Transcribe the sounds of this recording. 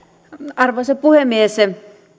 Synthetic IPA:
ɑrʋoɑsepuhemiese

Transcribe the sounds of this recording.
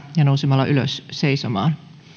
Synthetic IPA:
jɑnousemɑlːɑʔylø̰sseisomɑ̰ːn

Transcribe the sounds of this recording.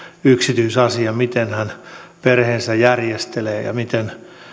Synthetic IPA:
yksit̪yisɑsiɑmit̪enhænperheːnsæjærjest̪eleːjɑ̰mit̪en

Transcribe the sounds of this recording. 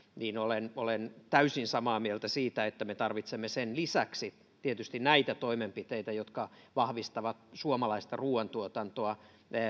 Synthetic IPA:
niːnolenolent̪æysinsɑmɑːmielt̪æsiːt̪æet̪ːæmet̪ɑrʋit̪semːesenlisæksi | t̪iet̪yst̪innæit̪æt̪oimempit̪eit̪æjot̪kɑ | ʋɑhʋist̪ɑʋɑt̪suomɑlɑist̪ɑruːɑnt̪uot̪ɑnt̪oɑ

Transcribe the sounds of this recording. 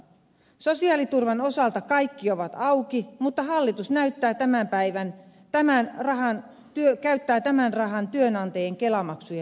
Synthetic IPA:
sosiɑːlit̪urʋɑnosɑlt̪ɑkɑikːioʋɑt̪ɑukimut̪ːɑhɑlːit̪usnæyt̪ːæːt̪æmæmpæiʋæn | t̪æmænrɑhɑn | t̪yøkæyt̪ːæːt̪æmænrɑɦɑnt̪yønɑnt̪ɑjeŋkelɑmɑksujɑ

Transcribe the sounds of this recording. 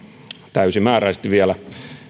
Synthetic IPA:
t̪æysimæːræist̪iʋʋiælæ

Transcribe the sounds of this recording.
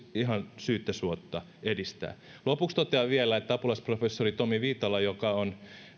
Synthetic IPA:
iɦɑnsyːt̪ːøsuot̪ːɑ | edist̪æ̰ː | lopukst̪ot̪eɑʋielæet̪ːæɑpulɑsprofesːorit̪omiʋiːt̪ɑlɑjokɑon

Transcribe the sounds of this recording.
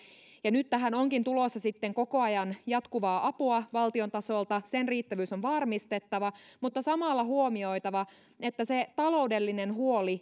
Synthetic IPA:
jɑnyt̪t̪ːæɦæno̞ŋkint̪ulosːɑsit̪ːeŋko̞ko̞ɑjɑnjɑt̪kuʋɑːʔɑpuɑʋɑlt̪io̞nt̪ɑso̞lt̪ɑsenriːt̪ːæʋyːsonʋɑrmist̪et̪ːɑʋɑmut̪ːɑsɑmɑlːɑɦuomio̞jt̪ɑʋɑ | et̪ːæset̪ɑlo̞ude̞lːinenɦuo̞li

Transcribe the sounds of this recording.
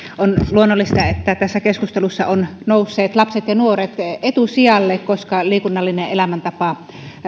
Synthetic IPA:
onluonːolːist̪ɑet̪ːæt̪æsːækeskust̪elusːɑʔonnoˑusːeːt̪lɑpset̪jɑnuoret̪et̪usiɑlːeːkkoskɑliːkunːɑlːineʔʔelæmænt̪ɑpɑ

